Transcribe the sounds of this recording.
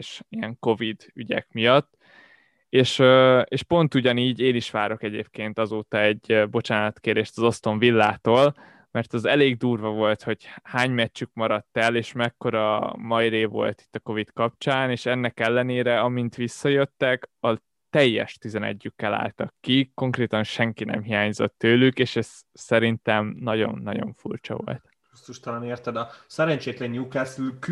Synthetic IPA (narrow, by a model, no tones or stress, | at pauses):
eʃijɛŋko̞vid̪yɟɛ̰kmijɒt̪ː | eːʃøeːʃpo̞nt̪uɟɒniːɟeːniʃʋaːɾo̞kɛɟḛːpkeːnt̪ɒzoːt̪ɒɛɟːbo̞t͡ʃaːnɒt̪keːɾd̪eːʃt̪ɒzo̞st̪o̞ɱvilːaːt̪oːl | mɛrt̪ɒzɛleːɡd̪uːrvɒvo̞lt̪ho̞ɟhaːɲmɛt͡ʃːykmɒɾɒt̪ːɛleːʃmɛkːo̞ɾɒmɒiɾeːvo̞̰lt̪i̥t̪ːɒko̞vit̪kɒp̚t͡ʃaːneːʃɛnːɛkɛlːɛneːɾɛɒmint̪ʋisːɒjøt̪ːɛkɒ | t̪ɛjːɛ̰ʃt̪izɛnɛ̰ɟːykːɛla̰ːlt̪ɒkːiko̞ŋkreːt̪ɒnʃɛŋkinɛ̰mɦijaːɲzo̞̰t̪ːøːlykeːʃɛz̥ | sɛɾint̪ɛmnɒɟo̞̰nːɒɟo̞̰ɱfṵrt͡ʃɒ̰vo̞̰lt̪ | ust̪uʃt̪ɒlɒneːrt̪ɛd̪ɒsɛɾɛɲt͡ʃeːt̪lɛnɲukaːsylk